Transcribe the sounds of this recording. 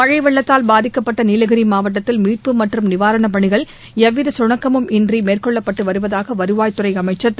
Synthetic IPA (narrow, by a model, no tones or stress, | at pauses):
pɐɻɐɪʋɐɭːɐt̪ːaːlbaːðɪkːɐpːɐʈːɐniːlɐɣɐɾimaːʋɐʈːɐt̪ːɪlmiːʈ̚pɯmɐʈrɯmnɪʋaːɾɐɳɐp̬ɐɳɪɣɐɭ | ɛʋːɪðɐsʊɳɐkːɐmɯmʔɪndrimeːrkɔɭːɐpːɐʈːɯʋɐɾɯʋɐðaːɣɐʋɐɾɯʋaːjt̪ʊrɐɪɐmɐɪt͡ʃːɐ